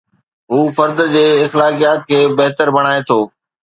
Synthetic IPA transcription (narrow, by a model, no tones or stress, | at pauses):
ɦuːfɐɾd̪d͡ʑeːɪxlaːkijaːt̪̚kʰeːbɐɦt̪əɾbɐɽ̃aːet̪ʰoː